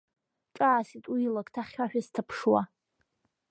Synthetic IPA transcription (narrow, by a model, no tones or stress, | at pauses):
ʈ͡ʂʼaːsitʼuilakʼtʰaχʲaħᶣastʰapʰʂwa